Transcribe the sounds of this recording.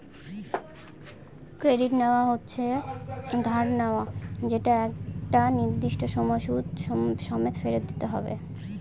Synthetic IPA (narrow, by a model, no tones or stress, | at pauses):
kɾeɖiʈneoaɦotːɕʰe | d̪ʱaɾneoad͡ʑeʈaɛkʈaniɾd̪iʃʈoʃɔmɔjʃud̪ʃɔmet̪ʰfeɾed̪it̪eɦɔ̰bḛ